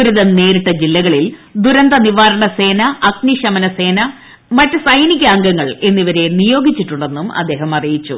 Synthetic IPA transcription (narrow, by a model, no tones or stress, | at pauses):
uɾuðɐnne̞ːɾuʈːɐd͡ʑilːɐɣɐɭild̪uɾɐnd̪ɐniʋaːɾɐɳɐse̞ːnɐɐkniɕɐmɐnɐse̞ːnɐ | mɐtːɨsɐjnikʲːɐːŋɡɐŋːɐɭe̞nːiʋɐɾe̞nijo̞ːɡit͡ɕːiʈːuɳɖe̞nːumɐ̰d̪ːe̞ːɦɐmɐrijit͡ɕːṵ